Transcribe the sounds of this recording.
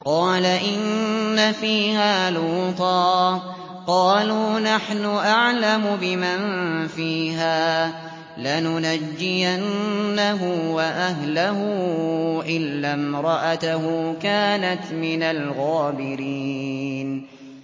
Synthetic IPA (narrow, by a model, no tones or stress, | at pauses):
qɑːlaʔɪnːafiːhaːluːt̪ˤɑː | qɑːluːnaħnʊʔaʕlamʊbɪmanfiːɦaː | lanʊnad͡ʒːɪjanːaɦʊwaʔaɦlaɦʊ | ʔɪlːamɾˤɑʔat̪aɦʊːkaːnat̪mɪnalɣaːbɪɾiːn